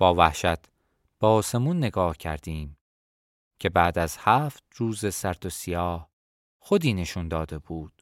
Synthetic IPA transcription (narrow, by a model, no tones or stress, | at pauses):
b̥ɒːvæ̰hʃæt̪ʰ | b̥ɒːse̞munːe̞ɡɒːhcʰæ̰ɾd̪̥iːm | cʰe̞bæːd̪æz̥hæːft̪̚ruːzesæɾd̪osijɒːh | xod̪iːne̞ʃund̪ɒːd̪e̞buːd̪̥